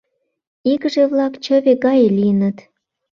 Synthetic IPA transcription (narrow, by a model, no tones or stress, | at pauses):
iɣəʒeβlɑkt͡ɕə̆βeɣɑjliənət̪